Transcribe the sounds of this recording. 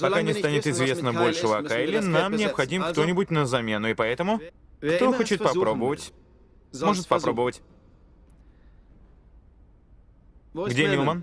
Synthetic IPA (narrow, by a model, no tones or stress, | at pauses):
pɐkanʲɪst̪anʲɪt̪ɪzvʲe̞snəbo̞lʲʂɨvɐkaɪlʲɪnamnʲɪɐpxɐdʲimkt̪o̞nʲɪbʊtʲnəzɐmʲe̞nʊɪpɐɛt̪əmʊkt̪oxo̞t͡ɕɪt̪̚pɐpɾo̞bəvətʲ | mo̞ʐɨt̪̚pɐɾo̞bəvətʲ | ɡdʲenʲɪlˠmən